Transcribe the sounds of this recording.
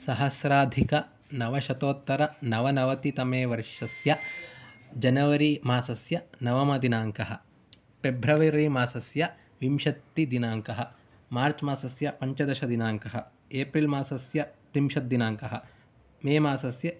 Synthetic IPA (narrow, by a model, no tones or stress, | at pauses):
sɐɦɐsɾaːd̪ʱikɐ | nɐʋɐʃɐt̪oːt̪ːɐɾɐnɐʋɐnɐʋɐt̪it̪ɐmeːʋɐɾʃɐsjɐ | d͡ʒɐnɐʋɐɾimaːsɐsjɐnɐʋɐmɐd̪inaːŋkɐɦɐ̆ | pebʱɾɐʋiɾiːmaːsɐsjɐ | ʋimʃɐt̪ːid̪inaːŋkɐɦɐ | maːɾt͡ʃmaːsɐsjɐpɐɲt͡ʃɐd̪ɐʃɐd̪inaːŋkɐɦɐ | eːpɾilmaːsɐsjɐt̪imʃɐt̪̚d̪inaːŋkɐɦɐ̆ | meːmaːsɐsjɐ